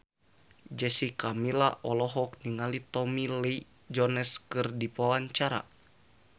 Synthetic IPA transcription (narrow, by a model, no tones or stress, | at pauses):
d͡ʒɛsikamila̰ʔɔlɔɦɔk̚niŋalit̪ɔmilɛi | d͡ʒɔnɛskɨrdipawaɲt͡ʃaɾa̰